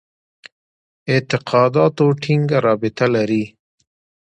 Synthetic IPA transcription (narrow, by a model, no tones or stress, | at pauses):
ɪt̪ɪqʰɑd̪ɑt̪oʈʰiŋɡaɾɑbɪt̪alaɾi